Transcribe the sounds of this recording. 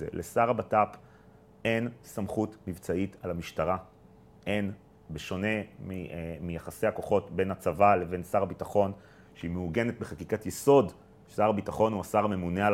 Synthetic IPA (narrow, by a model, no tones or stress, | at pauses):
ḛlʔesaʁabatap | e̞nsamχutmivt͡saitalamiʃtaʁa | ʔe̞n | beʃo̞ne̞mimijaχasejako̞χo̞tbe̞nat͡savale̞ve̞nsaʁabitaχo̞n | ʃeimeuɡe̞net̚beχakikatjeso̞d | saʁabitaχo̞nuasaʁame̞muneal